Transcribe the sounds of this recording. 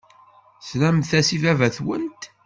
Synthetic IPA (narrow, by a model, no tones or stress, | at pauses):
slæmθæsivævæθwə̰nt̪